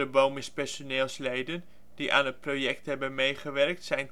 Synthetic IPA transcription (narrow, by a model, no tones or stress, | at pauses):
əbowmɪspɛrsoneːlˠslejdən | d̥iʔa̰ːnət̚projɛk̚tɦɛbənmejχəʋɛrk̚tsɛjn